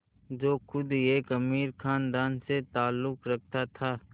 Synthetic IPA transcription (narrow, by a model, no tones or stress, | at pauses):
d͡ʒoːxʊd̪eːkɐmiːɾkʰaːnd̪aːnset̪aːlːʊkɾɐk̚ʰt̪at̪ʰaː